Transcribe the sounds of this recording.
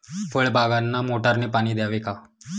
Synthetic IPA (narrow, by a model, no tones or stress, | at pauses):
fəɭbʱaɡanːamoʈaɾniːpaɽ̃iːd̪jaʋeka